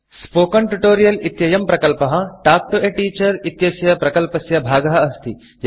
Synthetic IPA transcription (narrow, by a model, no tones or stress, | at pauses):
spoːkɐɳʈuʈoːɾijɐlit̪jɐjɐmpɾɐkɐlpɐɦɐʈaːk̚ʈoʔeʈiːt͡ʃɐɾit̪jɐsjɐpɾɐkɐlpɐsjɐbʱaːɡɐɦɐɐst̪ʰi | j